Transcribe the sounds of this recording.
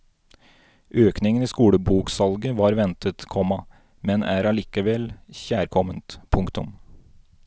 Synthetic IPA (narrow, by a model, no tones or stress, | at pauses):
ʔøːknɪŋəniːskuːɽəbuːksɑlɡəʋɑːɾʋɛnt̪ʰət̪kʰɔmːɑ | mɛnæɾɑliːkəʋɛlçæːɾkʰɔmənt̪pʰʊŋkt̪ʊm